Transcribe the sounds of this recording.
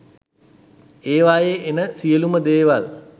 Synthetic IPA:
eːʋaːjeenəsijəluməd̪eːʋal

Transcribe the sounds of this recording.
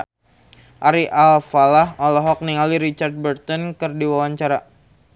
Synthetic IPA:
ʔaɾiʔalfalaɦɔlɛɦɔk̚niŋaliɾit͡ʃard̪̚bərt̪ɔnkɨrdiwawaɲt͡ʃaɾa

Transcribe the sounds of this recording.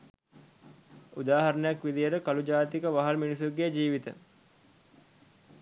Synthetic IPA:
ud̪aːɦɐɾənəjakʋid̪ijəɾəkalud͡ʒaːt̪ikəʋaɦalminis̬uɡed͡ʒiːʋit̪ə̰

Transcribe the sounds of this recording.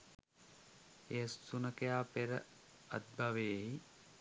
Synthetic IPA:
eəsːunəkejaːpeɾə̰ | ɐt̪̚baʋeei

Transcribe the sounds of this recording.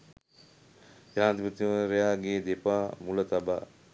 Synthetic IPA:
jaːnt̪ipət̪imɾejaːɡeːd̪epaːmulət̪aba̰ː

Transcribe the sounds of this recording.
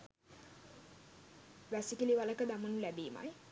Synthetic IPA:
ʋæsikiliʋaləkəd̪amənulæbeːma̰j

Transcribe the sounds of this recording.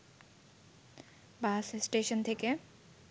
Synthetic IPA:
baːsesʈeːʃənt̪ʰeke

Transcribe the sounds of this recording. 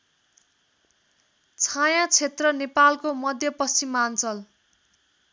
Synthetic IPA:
t͡sʰajãt͡sʰet̪rʌnepalkomʌd̪ʱjʌpʌsimant͡sʌl

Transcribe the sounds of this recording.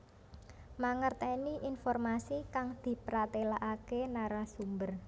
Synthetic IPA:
maŋərt̪ɛniʔinfɔrmasikaŋd̪̥i̤pɾat̪elaʔakenaɾasumbər

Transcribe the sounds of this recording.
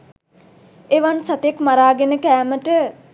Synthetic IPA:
eʋansat̪ekmaɾaːɡenəkæːməʈə

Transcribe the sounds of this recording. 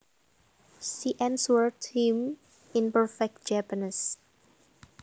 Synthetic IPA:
siʔɛ̃nswəɹtʰĩm | ĩnpəɹfɛk̚d͡ʒapənis

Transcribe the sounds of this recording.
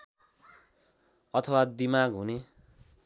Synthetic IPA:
ʌt̪ʰʌwad̪imaɡɦune

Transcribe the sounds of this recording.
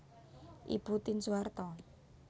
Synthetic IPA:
ʔḭb̥ut̪insuart̪ɔ

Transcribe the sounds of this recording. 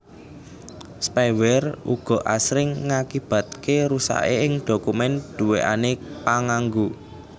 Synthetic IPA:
spɛwɛrṵɡ̥ɔ̤ʔasɾɪŋːakib̥a̤t̪̚keɾusa̰ʔeɪŋɖ̥o̤kumɛnd̪̥ṳweʔa̰nepaŋaŋɡu

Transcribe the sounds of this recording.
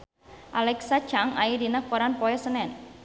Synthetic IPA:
ʔalɛksḁt͡ʃaŋaidinakoɾanpɔɛsənɛn

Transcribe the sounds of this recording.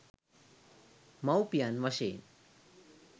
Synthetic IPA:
mawpijanʋəɕḛn

